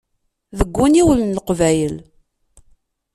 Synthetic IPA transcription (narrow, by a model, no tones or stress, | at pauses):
ðəɡʷːuniwəllqvæjəl